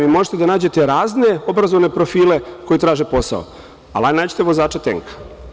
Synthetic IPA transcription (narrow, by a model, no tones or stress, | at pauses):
ʋimo̞ʒet̪e̞d̪anaːd͡ʑe̞t̪e̞ɾaːzne̞o̞bɾazoʋne̞pɾofiːle̞ko̞jit̪ɾaːʒe̞po̞sa̰o̰ | alanaːd͡ʑet̪eʋo̞zaːt͡ʃet̪ḛŋkḁ